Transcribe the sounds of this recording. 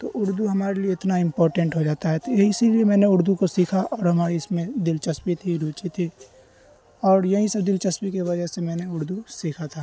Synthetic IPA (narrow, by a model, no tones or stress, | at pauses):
t̪o̰ʔʊɾd̪ʱuɦɐmaːɾelieɪt̪naɪ̃mpɔːɾʈə̃ɳʈɦod͡ʒaːt̪aɦɛt̪ojɐɦisiliemɛ̃ːneʊɾd̪ʱukosiːkʰaʔɔːɾɦɐmaːɾiɪsmẽd̪ɪlt͡ʃɐspit̪ʰiɾuːt͡ʃit̪ʰi | ɔːɾjɐɦĩsɐb̚d̪ɪlt͡ʃɐspikeʋɐd͡ʒəɦsemɛ̃ːneʊɾd̪usiːkʰat̪ʰaː